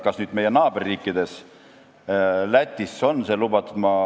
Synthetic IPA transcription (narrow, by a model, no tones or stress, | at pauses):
kɑsnyːd̪me̞jenɑːberːiːkːˑid̪̥e̞s | læt̪ʲːˑisːo̞nːse̞lubɑt̪mɑ